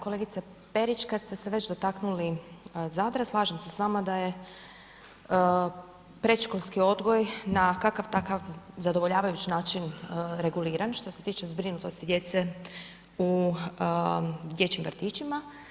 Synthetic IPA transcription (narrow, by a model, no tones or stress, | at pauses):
kole̞ɡit̪se | pe̞ɾit͡ʃkad̪st̪e̞se̞ʋe̞t͡ʃd̪o̞t̪aknulizad̪ɾaslˠaːʒemse̞sʋaːmad̪aje̞ | pɾe̞t̪ʃkolʲskio̞d̪ɡo̞jnakakaʋt̪akaʋzad̪o̞ʋo̞ʎaːʋajut͡ʃnaːt͡ʃinɾe̞ɡuliːɾanʃt̪o̞se̞t̪iːt͡ʃe̞zbɾinut̪o̞st̪id̪je̞t̪se | u | d̪je̞t͡ɕimʋrɾt̪iːt͡ʃima